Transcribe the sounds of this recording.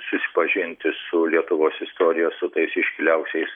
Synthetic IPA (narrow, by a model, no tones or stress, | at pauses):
sʊsʲɪ̥pɐʒʲɪnʲt̪ʲɪsʊlʲiɛt̪ʊʋoːsɪst̪oːɾʲɪjoːsʊt̪ɐɪsɪʃʲkʲɪlʲɛʊksʲɛɪs